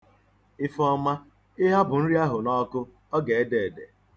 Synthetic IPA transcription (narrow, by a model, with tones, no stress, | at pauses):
ɪ˦fɔ˦ma˦ | ɪ˦ɦa˦bʊ˨n̩˦ɾi˦a˦ɦʊ˨nɔ˦kʊ˦ | ɔ˦ɡe˨e˦de˨de˨